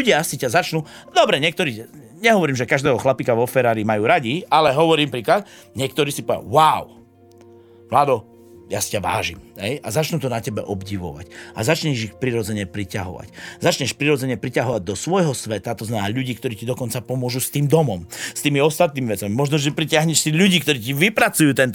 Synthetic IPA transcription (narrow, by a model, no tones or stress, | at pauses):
uɟɪasicazat͡ʃnud̪ɔbɾɛɲɪɛkt̪ɔɾiː | ɲɛɦɔʋɔɾiːmʒɛkaʒd̪ɛːɦɔxlapikaʋɔfɛɾaːɾiːmajuːɾaɟialɛɦɔʋɔɾiːmpɾiːklat̪ | ɲɛkt̪ɔɾiːsipɔʋɛja̰waʊ | ʋlaːd̪ɔ | jasi̥caʋa̰ːʒḭmɦɛjazat͡ʃnut̪ɔnacɛbɛ̰ʔɔbɟiʋɔ̰ʋa̰ca̰zat͡ʃɲɛʒixpɾiɾɔd͡zɛɲɛpɾica̰ɦɔ̰ʋa̰czat͡ʃɲɛʃpɾiɾɔd͡zɛɲɛpɾicaɦɔʋaɟ̚d̪ɔsʋɔjɦɔsʋɛt̪at̪ɔzmɛnɛnaːʎuɟiːkt̪ɔɾiːcid̪ɔkɔnt͡sapɔmʊɔʒust̪iːmd̪ɔmɔmst̪iːmiɔst̪at̪niːmiʋɛt͡samimɔʒnɔʒɛpɾicɪaɦɲɛʃsiʎuɟiːkt̪ɔɾiːciʋipɾat͡sujuːt̪ɛnt̪